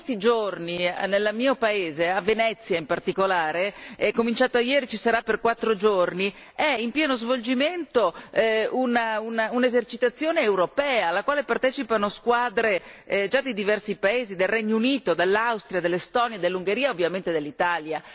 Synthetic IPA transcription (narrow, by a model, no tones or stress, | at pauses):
st̪id͡ʒorninelːamiːopaeːzeavːenɛt̪sːjaimpart̪ikolaːɾeɛkomint͡ʃaːt̪oajɛːɾit͡ʃisaɾapːerkwat̪ːɾod͡ʒorni | ɛimpjɛːnozvold͡ʒiment̪o | unaunaunezert͡ʃit̪at̪sːjoːneːwɾopɛːalːakwaːlepart̪ɛːt͡ʃipanoskwaːd̪ɾed͡ʒad̪ːid̪ivɛrsipaeːzid̪elrɛɲːouniːt̪od̪elːawst̪ɾiad̪elːest̪ɔnjed̪elːuŋɡeɾiːaovːjament̪ed̪elːit̪alja